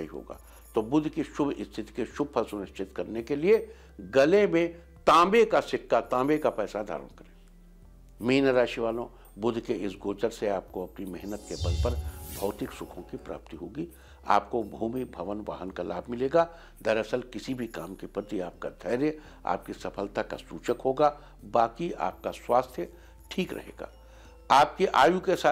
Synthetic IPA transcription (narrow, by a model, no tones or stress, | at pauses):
iɦo̰ːɡa̰ː | t̪oːbʊd̪ʱkiʃʊbʱɪst̪ʰɪt̪i̥keʃʊb̚pʰɐsʊɾɪʃt͡ʃʰɪt̪kɐɾnekelie | ɡɐlemẽ | t̪ãːbekasɪkːat̪ãːmbekapɛːsad̪ʱa̰ːɾə̰nkɐɾẽː | miːnəɾaːʃiʋaːlõ | bʊd̪ʱkeɪsɡoːt͡ʃəɾseaːp̚koɐpnimɛɦnət̪kebɐlpɐɾbʱɔːt̪ɪksʊkʰõkipɾʔa̰ːp̚t̪iɦoːɡiː | a̰ːp̚kobʱuːmibʱɐʋənʋa̰ːɦənkalaːbʱmɪleːɡaː | d̪ɐɾɐsəlkɪsibʱikaːmkepɾət̪iaːp̚ka̰d̪ʱɛːɾe | a̰ːp̚kisɐpʰəlt̪aka̰sṵːt͡ʃəkɦoːɡaː | baːkia̰ːp̚kaswaːst̪ʰjə | ʈʰiːkɾɐ̰ɦḛːɡa̰ː | aːp̚keʔaːjukesaː